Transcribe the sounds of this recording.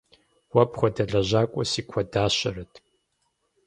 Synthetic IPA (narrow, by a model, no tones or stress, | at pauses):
wɐpʰʼχʷɔdɐɮɐʑaːkʷʼɔsiːkʷʰɐdaːɕɐɾɨtʰ